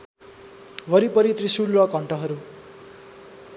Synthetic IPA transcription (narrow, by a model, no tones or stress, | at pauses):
ʋʱʌɾipʌɾit̪risuɽrʌkʌɳʈʌɦʌɾu